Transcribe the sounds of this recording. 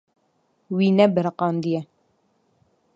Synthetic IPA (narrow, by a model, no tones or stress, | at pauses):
winɛbəɾqɑnd̪ijɛ